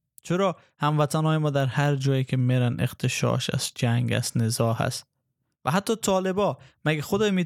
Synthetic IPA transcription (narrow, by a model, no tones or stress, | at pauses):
t͡ʃʰeɾɒː | hamvat̪ʰanhɔːjemɔːd̪aɾhaɾd͡ʒɒːjikʰemeɾaneqt̪ʰeʃɒ̰ːʃa̰z̥d͡ʒæŋɡa̰st̪nɪzɒha̰st̪ | vaɦat̪ʰːɒːt̪ʰɒːlebɒmaɡaxod̪ɒːmi